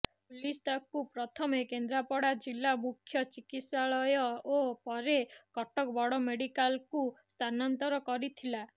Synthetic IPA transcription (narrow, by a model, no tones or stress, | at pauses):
pulist̪akupɾɔt̪ʰɔmekend̪ɾapɔɽad͡ʒilːamukʰːjɔt͡ʃikit̪saɭɔjɔopɔɾekɔʈɔkbɔɽɔmeɽikalkust̪ʰanɔnt̪ɔɾɔkɔɾit̪ʰila